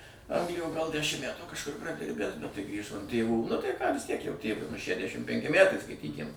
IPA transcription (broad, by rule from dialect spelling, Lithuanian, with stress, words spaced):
ˈɐŋɡlʲɪjoː ɡɐlˠ ˈdʲæʃʲɪm ˈmʲætuː kɐʃˈkʊr prɐˈdʲɪrʲbʲæːs bʲɛt tɐɪ ˈɡrʲiːʒoː ɐn ˈtʲeːʋuː nʊ tɐɪ kɑː ʋʲɪs tʲiɛk jɛʊ ˈtʲeːʋʊɪ nʊ ʃʲæˈdʲæʃʲɪm ˈpʲɛŋʲkʲɪ ˈmʲætɐɪ skɐɪtʲˈiːkʲɪm